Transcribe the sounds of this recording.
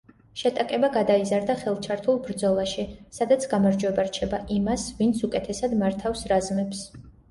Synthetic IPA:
ʃɛt̪ʼakʼɛbaɡad̪aizaɾd̪aχɛlˠt͡ʃʰaɾt̪ʰulˠbɾd̪zɔlˠaʃisad̪at̪sʰɡamaɾd͡ʒwɛbaɾt͡ʃʰɛbaʔimasvint̪sʰukʼɛt̪ʰɛsad̪maɾt̪ʰafsɾazmɛps

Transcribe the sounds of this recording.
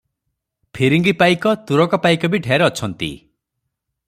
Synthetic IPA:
pʰiɾiŋɡipajkɔt̪uɾɔkɔpajkɔbiɖʱejaɾeɔt͡ʃʰɔnt̪ḭ

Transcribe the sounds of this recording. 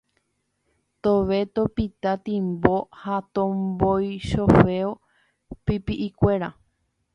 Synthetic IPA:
t̪oʋe̞t̪opit̪at̪ĩmbohat̪õmbojʃofe̞o | pipiʔikʷe̞ɾa

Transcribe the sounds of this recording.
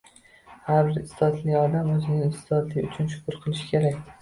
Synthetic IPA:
haɾbɪɾɪst̪ɒd̪lɪɒd̪amɵzɪnɪɪst̪ɒd̪lɪʊt͡ʃʰʊnʃʊ̥kʰʲʊɾqʰɨlˠɪʃɪ̥kʲʰeɾakʲ

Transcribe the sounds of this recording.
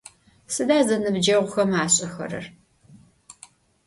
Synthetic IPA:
sɨdaːzɐnɨbd͡ʒɐʁʷʊxɐmaːɕʼɐxɐ̰ɾɨ̰r

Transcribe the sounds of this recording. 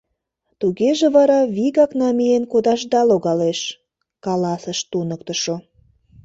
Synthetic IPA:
t̪uɣeʒeβɑɾɑβiɣɑknɑmijenkod̪ɑʒd̪ɑloɣɑleʃ | kɑlɑsəʃt̪unək̚t̪əʃo

